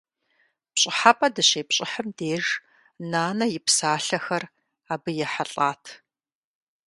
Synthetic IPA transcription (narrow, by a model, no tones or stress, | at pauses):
pɕʼɪħapʼɐdɨɕeːpɕʼɪħəmdeːʒ | naːnɐjɪpsaːɬɐxɐr | aːbɨjɛħaɬʼaːtʰ